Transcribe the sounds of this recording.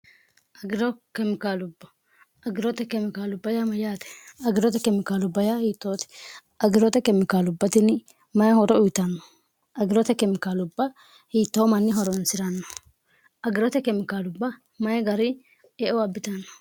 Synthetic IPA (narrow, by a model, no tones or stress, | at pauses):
ʔɐɡɪɾɔkɛmɪkaːlʊbːɐ̥ | ɐɡɪɾɔt̪ɛkɛmɪkaːlʊbːɐjamɐjaːt̪ɛ̥ɐɡɪɾɔt̪ɛkɛmɪkaːlʊbːɐjahiːt̪ːoːt̪ɛ̥ʔɐɡɪɾɔt̪ɛkɛmɪkaːlʊbːɐt̪ɪn | mɐjhɔɾɔʊjt̪ɐnːɔ | ʔɐɡɪɾɔt̪ɛkɛmɪkaːlʊbːɐ | hiːt̪ːoːmɐnːɪɦɔɾɔnsɪɾɐnːɔ̥ | ʔɐɡɪɾɔt̪ɛkɛmɪkaːlʊbːɐ | mɐjɡɐɾɪ | ɛʔɔɐbːɪt̪ɐnːɔ̥